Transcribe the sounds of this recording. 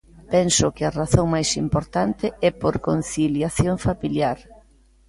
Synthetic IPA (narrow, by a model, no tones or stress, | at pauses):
pɛnsʊkɪɐraθoŋmajsimpoɾt̪ant̪ɪɛpoɾkon̟θiljaθjoŋfamiljaɾ